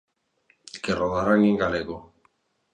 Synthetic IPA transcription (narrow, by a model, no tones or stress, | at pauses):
keroðaɾaŋɡiŋɡaleɣo